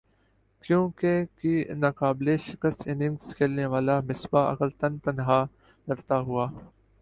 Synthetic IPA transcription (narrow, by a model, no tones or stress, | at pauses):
kjõːkekinaːkaːbleʃɪkəst̪ɪ̃nɪ̃ŋɡskelneʋaːlamɪsbaʔɐ̰ɡəɾt̪ɐnt̪ɐnɦa | ɾɐɾt̪aɦuaː